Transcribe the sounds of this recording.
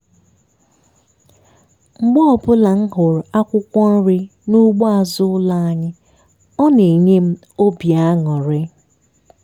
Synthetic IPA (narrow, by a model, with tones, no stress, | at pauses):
ŋ͡m̩˦ɡ͡bɔ˦ɔ˨bʊ˦la˨ŋ̩˦ɦʊ˨ɾa˦kʷʊ˦kʷɔ˦n̩˦ɾɪ˦nu˦ɡ͡bɔ˦a˨zʊ˦ʊ˦la˦a˦ɲɪ˦ | ɔ˦ne˨ɲe˦m̩˦ | o˦bja˦a˦ŋɔ˨ɾɪ˦